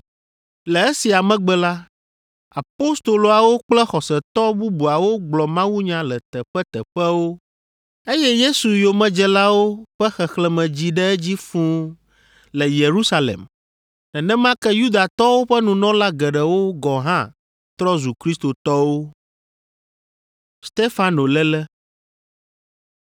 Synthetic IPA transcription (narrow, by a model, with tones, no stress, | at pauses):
lɛ˨e˦si˨a˨mɛ̃˦ɡ͡bɛ˦la˦ | a˨po˦st̪o˨lo˨a˨wo˦k͡plɛ˦xɔ˨sɛ˨t̪ɔ˦bu˦bu˨a˨wo˦ɡ͡blɔ˨mã˦wu˦ɲã˨lɛ˨t̪ɛ˨ɸɛ˦t̪ɛ˨ɸɛ˦wo˦ | e˦jɛ˦je˦su˨jo˨mɛ̃˨d͡ʒɛ˦la˦wo˦ɸɛ˦xɛ˨xlɛ˦mɛ̃˨d͡ʑi˦ɖɛ˦ɛ˦d͡ʑi˦fũ˦ | lɛ˨je˨ɾu˦sa˦lḛ˨m | nɛ̃˨nɛ̃˦mã˦kɛ˦ju˦d̪a˨t̪ɔ˦wo˦ɸɛ˦nũ˨nɔ̃˦la˦ɡɛ˨ɖɛ˨wo˦ɡɔ˨ɦã˦ | t̪ɾɔ˦zu˨kɾi˦st̪o˨t̪ɔ˦wo˦ | st̪e˦fa˨no˨lɛ˦lɛ˦